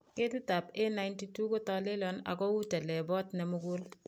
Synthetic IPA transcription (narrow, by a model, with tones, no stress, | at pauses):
ke˦tɪ˦ta˨pe˦na˨jnti˦tu˦ko˦tɔ˦lɪ˦lɔ˦na̰˨kɔ˦wu˦tɛ˨lɛ˨bɔ˦tnɛ˨mʊ˦ɡʊ˦l